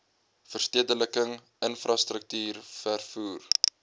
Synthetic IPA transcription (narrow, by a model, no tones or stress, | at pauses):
fərstiədələkəŋ | ənfrɑstrək̚tyːrfærfuːr